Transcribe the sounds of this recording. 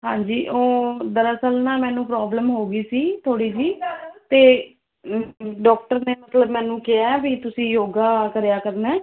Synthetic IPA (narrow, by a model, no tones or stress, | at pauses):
ɦãːɲd͡ʒiːʔoːd̪əɾəsəlnãːmɛ̃ːnũːpɾaːbləmɦoːɡiːsiːt̪ʰoːɽiːd͡ʒiːt̪eː | ɖɔːkʈəɾneːmət̪ləbmɛ̃ːnũːkɪjaːbiːt̪ʊsĩːjoːɡaːkəɾjaːkəɾnɛː